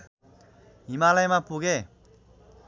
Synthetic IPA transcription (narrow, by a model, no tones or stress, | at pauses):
imalajmapuɡe